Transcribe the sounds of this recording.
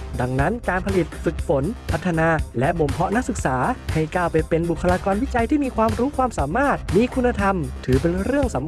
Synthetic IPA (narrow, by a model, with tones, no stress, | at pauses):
da˧ŋna˦˥nkaː˧npʰa˧li˨˩t̪̚fɯ˨˩k̚fo˩˦npʰa˦˥t̪ʰːa˧naː˧lɛ˦˥ʔbo˨˩mpʰɔ˦˥ʔna˦˥k̚sɯ˨˩k̚saː˩˦ha˥˩jkaː˥˩wpa˧jpe˧nbu˨˩kʰːa˧laː˧kɔː˧nwi˦˥t͡ɕa˧jt̪ʰiː˥˩miː˧kʰwaː˧mɾuː˦˥kʰwaː˧msaː˩˦maː˥˩t̪̚miː˧kʰu˧nːa˧t̪ʰa˧mt̪ʰɯː˩˦pe˧nɾɯ˥˩əŋsa˩˦m